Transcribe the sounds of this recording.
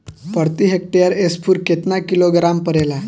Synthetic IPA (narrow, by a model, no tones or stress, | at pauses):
pəɾt̪iɦek̚ʈejəɾespʰuːɾket̪nakiloɡɾampəɾela